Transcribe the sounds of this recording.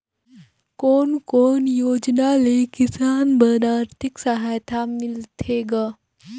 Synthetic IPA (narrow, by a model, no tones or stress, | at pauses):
koːnkoːnjoːd͡ʒnalekisaːnbəɾaːɾt̪ʰiksaɦaːjt̪ʰamilt̪ʰeɡa